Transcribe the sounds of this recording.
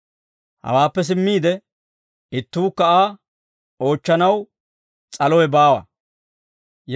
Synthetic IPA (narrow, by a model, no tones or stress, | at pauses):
hɐ̰waːpːɛs̬ɪmːiːd̪ɛ | ɪt̪ːuːkːɐaː | o̞ːt͡ʃːɐnɐw | t͡sʼɐlɔjɛbaːwɐ̰ | j